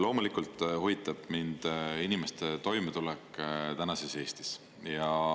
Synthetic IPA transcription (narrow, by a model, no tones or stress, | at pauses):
lo̞ːmulikˑult̪ˑhuvit̪ːˑɑb̥mind̪̥inimest̪e̞t̪o̞jmet̪ulɛkˑːt̪ænɑsese̞ːst̪i̥s | jɑ